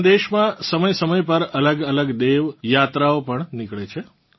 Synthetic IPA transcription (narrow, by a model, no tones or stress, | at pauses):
d̪eʃmãsəməjsəməjpəɾələɡələɡd̪eʋjat̪ɾaopəɳnɪkɭet͡ʃʰe